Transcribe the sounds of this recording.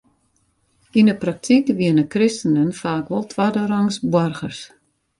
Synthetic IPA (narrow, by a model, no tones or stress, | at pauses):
indəprak̚tʰikʋiənəkrɪstənənfaːkʋɔlˠtʰʋadəraŋsbwɔrɣərs